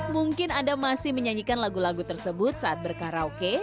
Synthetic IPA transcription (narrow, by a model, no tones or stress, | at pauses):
muŋkɪnandamasɪhməɲaɲikanlaɡulaɡut̪ərsəbʊt̪̚saʔat̪̚bərkaɾaoke